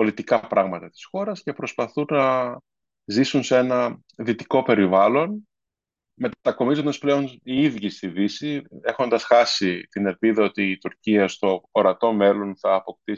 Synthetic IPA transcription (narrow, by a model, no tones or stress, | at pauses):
po̞lit̪ikɐpɾɐɣmɐt̪ɐt̪i̥sxo̞ɾɐsce̞pɾo̞spɐθunːɐ | zisunsee̞nɐ | ðit̪iko̞pe̞ɾivɐlo̞n | me̞t̪t̪ɐko̞mizo̞nd̪ɐsple̞o̞niiðʝist̪ivisie̞xo̞nd̪ɐsxɐsit̪ine̞lpiðɐo̞t̪iːt̪uɾciɐst̪o̞ːɾɐt̪o̞me̞lo̞nθɐːpo̞k̚t̪i